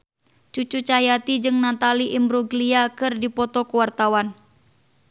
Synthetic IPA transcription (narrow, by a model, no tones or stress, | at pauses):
t͡ʃut͡ʃut͡ʃaɦjat̪id͡ʒɨŋnat̪aliʔimbɾuɡliakɨrdipɔt̪ɔkuwart̪awan